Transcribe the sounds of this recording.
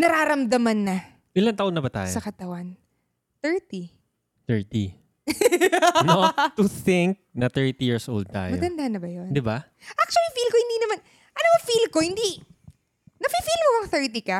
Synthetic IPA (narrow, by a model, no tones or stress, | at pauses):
nɐɾaːɾɐmd̪ɐmɐnːɐ | ʔɪlɐnt̪ɐʔonːɐbɐt̪a̰ːjosɐkɐt̪ɐwan | t̪ɛɹt̪i | θɛɹt̪i | not̪ʊθɪŋk̚nɐt̪ɛɹt̪ijiɹsʔo̰ld̪̚t̪a̰ːjmɐo̰t̪ɐnd̪aʔɐnːɐbɐjond̪ɪba | ʔak̚t͡ʃwɐlifiːlkohɪnd̪inɐman | ʔɐnoɐfiːlkohɪnd̪i | nɐfifilmoɐŋθɛɹt̪ikɐ